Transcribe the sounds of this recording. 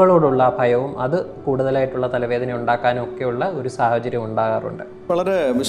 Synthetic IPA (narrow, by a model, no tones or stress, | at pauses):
ɣɐɭoːɽuɭːɐbʱɐjɐʋumʔɐðɨkuːɽuðɐlaːjiʈːuɭːɐt̪ɐlɐʋe̞ːd̪ʱɐnɐjuɳɖaːkːaːnumo̞kːe̞juɭːɐo̞ɾusaːhɐt͡ɕɐɾjɐmuɳɖaːɣaːrṵɳɖɨ | ʋɐɭɐɾeʋi